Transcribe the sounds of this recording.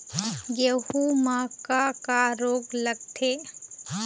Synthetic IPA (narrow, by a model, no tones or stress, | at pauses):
ɡehumaːkakaɾoːɡlɐɡ̚t̪ʰeː